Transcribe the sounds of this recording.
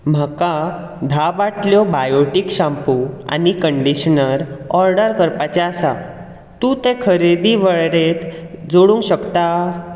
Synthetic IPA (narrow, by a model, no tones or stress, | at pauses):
m̤əka | d̪ʱaʋaʈʰljɔbajoʈikɕãmpua̰nikəɳɖiɕnəɾɔɾɖəɾkəɾpat͡ɕeasa | t̪ũt̪ẽkʰəɾed̪iʋəɭɾet̪ | d͡zoɽũŋɡɕəkt̪a